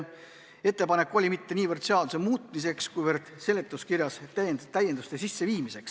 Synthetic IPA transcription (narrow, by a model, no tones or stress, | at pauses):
e̞t̪ːˑe̞pɑne̞kːˑo̞lʲimit̪ːe̞niːvərd̪̥se̞ɑd̪̥usemuːt̪ːˑmise̞kskujvərd̪̥se̞let̪ːˑuskiɾjɑst̪ːæjend̪ust̪esisːe̞viːmise̞ks